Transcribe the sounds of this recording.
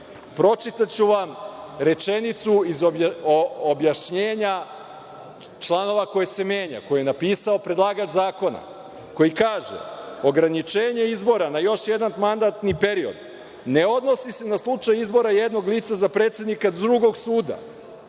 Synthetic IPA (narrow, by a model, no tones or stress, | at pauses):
pɾo̞t͡ʃit̪at͡ɕuʋamɾe̞t͡ʃe̞nit̪suizo | objaʃɲe̞ːɲa | t͡ʃlˠano̞ʋako̞jese̞me̞ːɲa̰ko̞jienapiːsao̞pɾe̞d̪lˠaːɡad͡ʒzaːko̞na̰ | ko̞jikaːʒḛo̞ɡɾanit͡ʃe̞ːɲe̞izbo̞ɾanajo̞ʃje̞d̪anmand̪at̪nipe̞ɾio̞̰d̪ | ne̞o̞d̪no̞sise̞naslˠut͡ʃajizbo̞ɾajed̪no̞ɡliːt̪sazapɾe̞ːt̪sje̞d̪nikad̪ɾuɡo̞ɡsuːd̪a̰